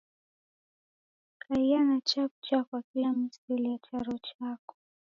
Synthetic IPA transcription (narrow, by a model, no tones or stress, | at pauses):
kʰaianat͡ʃaput͡ʃakwakilamiskɛliat͡ʃaɾɔt͡ʃakɔ̥